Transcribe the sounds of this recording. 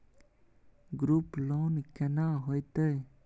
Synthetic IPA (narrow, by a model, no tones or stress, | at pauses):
ɡɾuplɔwnkɛnaɦojt̪əj